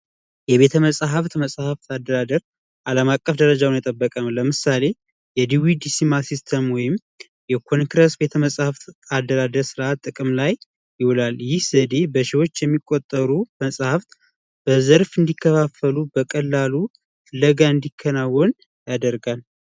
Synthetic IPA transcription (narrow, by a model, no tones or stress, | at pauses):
jɛβe̞t̪ʰəməsʼɦəft̪məsʼhəft̪ad̪ːəɾad̪əɾ | ʔaləmakʼːəfd̪əɾəd͡ʒawnat̪ʼəbːəkʼəmləmɨsale̞ | jɛd̪iwid̪isimasist̪ʰəmwɔjɪm | jɛkʰo̞nkɾəsbe̞t̪ʰəməsʼhəft̪ad̪ːəɾad̪əɾsɨɾʔat̪ʼɨkʼɨmlaj | jɪhɔlaljɪhz̥əd̪e̞bəʃɪwo̞t͡ʃːjɛmːikʼot̪ʼːəɾuməsʼhəft̪ | b̥əzəɾfɨnd̪ikʰːəfafːəlubəkʼəlːalu | fɨlːəɡaɨnd̪ikʰːənawːɔn | jad̪əɾɡal